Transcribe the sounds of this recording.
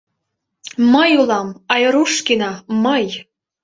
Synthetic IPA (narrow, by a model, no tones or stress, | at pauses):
mɤjulˠɑmɑjɤ̆ɾuʃkinɑmɤj